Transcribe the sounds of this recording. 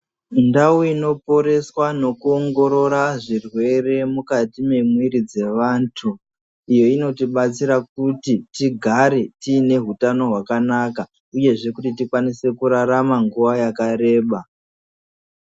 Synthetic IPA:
ndauino̞po̞ɾe̞swano̞kuoŋɡo̞ɾo̞ɾaʐirwe̞re̞mukatime̞mwiɾid͡ze̞ʋaːntʰu | ijo̞ino̞tiɓat͡siɾak̚utitiɡʱaɾe̞tiːne̞ɦutano̞ɦwakanaka | uje̞ʐe̞kutitikwanise̞kuɾaɾamaŋɡuʋajakaɾe̞ːɓa

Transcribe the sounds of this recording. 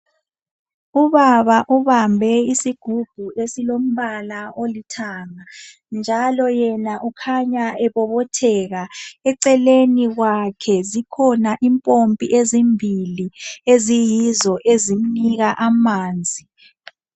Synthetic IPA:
uβaβaʔuβambʱɛisiɡ̥ʱub̥ʱuesilom̩βalaolitʰaːŋa | nd͡ʒʱalɔjɛnaʔukʰaɲaɛβɔβɔtʰɛɣaɛǀɛleniɣwakʰɛzikʰɔnaʔimpʼompʼiʔezimbʱiliezijizɔʔezim̩niɣaʔamaːnd͡zʱi

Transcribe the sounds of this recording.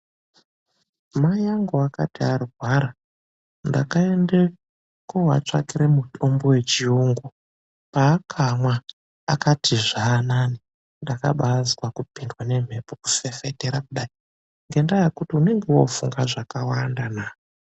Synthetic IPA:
majaŋɡoaka̰tiariɦwaɾa | nda̰kae̞nde | kowa̰t͡ʂa̰kiɾe̞mutʰo̞mbo̞we̞t͡ʃiuːŋɡu | paːkʰamwa | akatʰiʐaːnani | ndakaɓazwakupindwane̞m̤e̞poku̥fe̞fete̞ɾakuɗai | ŋɡe̞ndajekutiune̞ŋɡewo̞̰fuŋɡaʐakawandanaːo

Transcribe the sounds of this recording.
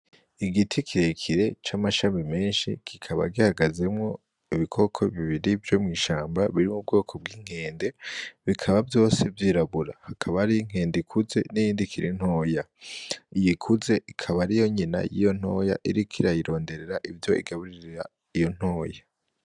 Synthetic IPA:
iɡitʰikʰiɾekʰiɾe̞t͡ʃamaʃamime̞ːnʃḭkʰikʰaβa̰ɡihaɡaze̞mŋo̞ | iβikʰo̞ːkʰo̞βiβiɾivjo̞mŋiːʃaːmbaβiɾimub̚ɡo̞ːkʰo̞b̚ɡiːŋ̥e̞ːnde̞βikʰaβabjo̞ːse̞vjiːɾaβuɾahakʰaβaɾiŋ̥e̞ːndikʰuze̞̰nijiːndikʰiɾin̥ho̞ːja | ijikʰuze̞ʔikʰaβaɾijo̞ɲina̰jḭjo̞n̥ho̞ːja̰ʔiɾikʰiɾajiɾo̞ːnde̞ɾe̞ɾaʔivjo̞ḭɡaβuɾiɾiɾa̰ | ijo̞n̥ho̞ːja

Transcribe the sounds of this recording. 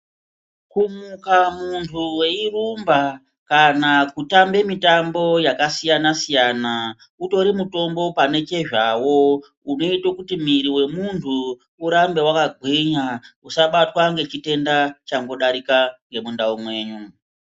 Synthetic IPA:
kumukamuntʰuwe̞irumba | kanakutambe̞mitambo̞jakasijanasijana | uto̞ɾimuto̞mbo̞pane̞t͡ʃe̞ʐawo̞ | uno̞itokutimiɾiwe̞muntʰuː | ɾambe̞wakaɡʱwiɲausaɓatwaŋɡe̞t͡ʃite̞ndat͡ʃaŋɡo̞ɗaɾikaŋɡe̞mundaumwe̞ːɲu

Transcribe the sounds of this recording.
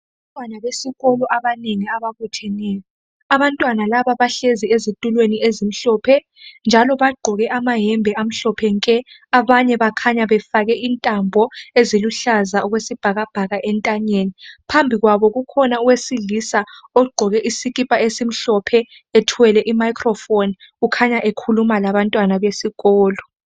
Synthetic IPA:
aantʼwanaβesiɣɔlɔʔaβaneŋiaβaɣutʰɛnɛːjɔ | aβantʼwanalaβaβaɬeziezitʼulweniezim̩ɬɔpʰɛ | nd͡ʒʱalɔβaɡ͡ǃʱɔɣɛʔamaɦɛmbʱɛam̩ɬɔpʰɛŋkʼɛ | aβaɲɛβakʰaɲaβɛfaɣɛʔintʼambʱɔeziluɬazaɔɣwesib̥ʱaɣab̥ʱaɣaʔɛntʼaɲenipʰambʱiɣwaβɔɣukʰɔnauwesiɮisaɔɡ͡ǃʱɔɣɛʔisiɣipʼaesim̩ɬɔpʰɛ | etʰwɛlɛʔimajkʰrɔfɔn | ɣukʰaɲaʔekʰulumalaβantʼwanaβesiɣɔːlɔ

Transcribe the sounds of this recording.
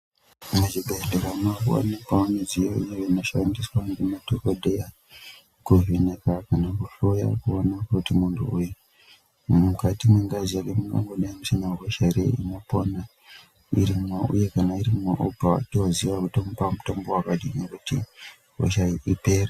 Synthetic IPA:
mut͡ʃibʱeɮdeɾamakuwa̰nekwamaned͡zijoijeinoʃandiswaŋɡematokodʱeja | kuvinekakanakuɬoja̰kuonakutimuntʰṵuju | mukatimweŋɡaziakemuŋɡa̰ŋɡoɗaimusinaɦoʃaɾḛḭnopona | iɾimumeṵjekanaiɾimumaʔopawa̰tioziʋakutompamuto̞mbo̞wakaɗinekuti | ɦo̰ʃaiʔipe̞ːre

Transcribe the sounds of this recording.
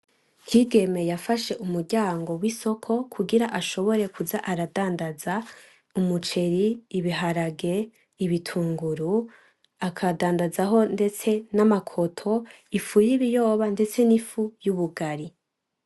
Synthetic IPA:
kʰiːɡe̞me̞jafaʃe̞ʔumuɾɟaːŋɡo̞wiso̞kʰo̞kʰuɡiɾaʔaʃo̞βo̞ɾe̞kuzaʔaɾadaːndaza | umut͡ʃe̞ɾiːβiɦaɾaɡe̞ | iβitʰuːŋɡuɾu | akʰadaːndazaɦo̞nde̞t͡se̞namakʰo̞tʰo̞ | ifujiβijo̞ːβande̞t͡se̞nifujuβuɡaɾi

